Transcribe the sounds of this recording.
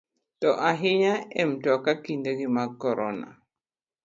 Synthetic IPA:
tɔʔaɦɪɲaɛmtɔkakindeɡimakɔɾɔna̰

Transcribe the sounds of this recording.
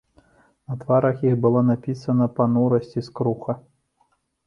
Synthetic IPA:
nɐt̪vaɾɐxjixbɨlˠɔnapʲisɐnɐpɐnuɾɐsʲt͡sʲiskɾuxɐ

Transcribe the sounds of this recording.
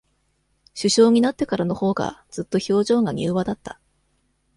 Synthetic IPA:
ɕɨɕo̞ːɲ̟inat̪ːe̞kaɾano̞ho̞ːɡa̰d͡z̥ɨt̪ːo̞ço̞ːʑo̞ːŋɡaɲ̟ʲɨ̰ːβad̪at̪ːḁ

